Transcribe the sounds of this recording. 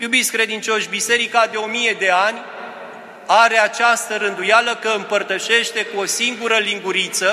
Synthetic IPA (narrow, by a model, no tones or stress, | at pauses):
jubit̪skɾe̞d̪int͡ʃo̞ʃʲbise̞ɾikad̪e̞o̞mije̞d̪e̞anʲ | aɾe̞at͡ʃast̪əɾɨnd̪ujaləkəɨmpərt̪əʃe̞ʃt̪e̞kuo̞siŋɡuɾəliŋɡuɾit̪sə